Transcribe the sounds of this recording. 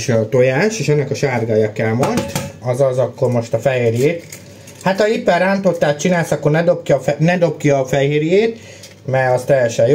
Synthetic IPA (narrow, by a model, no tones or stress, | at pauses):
ʃɒt̪o̞jaːʃeːʃɛnːɛkɒʃaːrɡajɒkɛlmɒt̪ɒzɒzɒkːo̞rmo̞ʃt̪ɒfɛɦeːrjeːt̪ | hat̪ɒipːɛraːnt̪o̞t̪ːaːtt͡ʃinaːlsɒkːornɛd̪opkjɒɛnɛd̪o̞p̚kijɒfɛɦeːɾjeːt̪ | mɛɒst̪ɛjːɛʃɛj